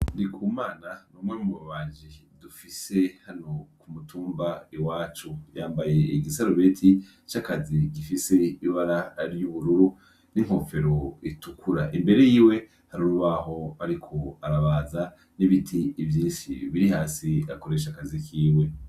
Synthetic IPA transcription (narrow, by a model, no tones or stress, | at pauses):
ndikʰuːmaːnanuːmŋemuβaβaːʒidufise̞hano̞kumutʰuːmbaiwaːt͡ʃujaːmbaje̞iɡisaɾoβeːtʰi | t͡ʃakaziɡifise̞iβaɾaɾjuβuɾuɾu | niŋ̥ho̞fe̞ɾo̞itukuɾaʔimbe̞ɾe̞jiːwe̞ | haɾuɾuβaho̞aɾikʰo̞aɾaβaːza | niβitʰiːvjiːnʃḭβiɾihaːsiako̞ɾe̞ʃakazikiːwe̞